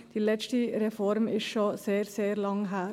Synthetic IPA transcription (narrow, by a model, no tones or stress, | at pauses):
d̪̥ilɛt͡ʃʈiɾɛfɔɾmɪʃoseːɾseːɾlɑŋɦæː